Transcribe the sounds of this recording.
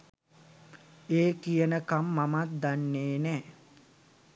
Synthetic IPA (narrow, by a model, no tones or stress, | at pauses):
eːkijənəkamːamat̪̚d̪anːeːnɛː